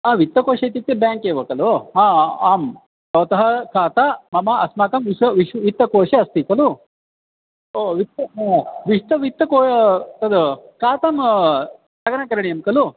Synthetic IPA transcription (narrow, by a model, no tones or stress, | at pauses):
aːʋit̪ːɐkoːʃɐt̪it̪ːebjaːŋkeːʋɐːkɐluaːaːm | t̪ɐʋt̪ɐɦɐkʰaːt̪amɐmɐɐsmaːkɐmʋiʃɐʋiʃʋit̪ːɐkoːʂɐɐst̪ik̪ɐlu | oʋit̪ːɐʋiʂt̪ɐʋit̪ːɐkoːt̪ɐd̪kaːt̪ɐm | t̪ɐɡɐnɐkɐɾɐɳijɐmkɐlu